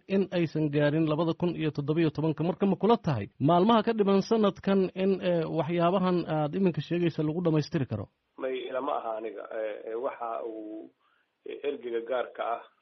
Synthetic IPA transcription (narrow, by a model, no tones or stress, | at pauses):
ʔɪnɛjsɐŋɡaːɾɪnlɐβɐðɐkʰʊnijɞt̪ʰɔd̪ɔβɐijɔt̪ʰɔβɐŋkʰɐmɐrkʰɐmɐkʰʊlɐt̪ʰɐɦɛ̰jmaːlmɐɦɐkʰɐɖɪβɐnsɐnːɐd̪kʰɐnɪnɛwɑħjaːβɐɦɐnaːd̪ɪmɪŋkʰɐʃɛːɣɛjsalɐɣʊɖɐmɛjst̪ʰɪɾɪkʰɐɾɔ̰ | mɛjɪlɐmɐ̰ʔɐ̰ɦaːnɪɣɐ̰ɛwɑħɑuː | ʔɛrɡɪɣɐɡaːrkʰɐɐh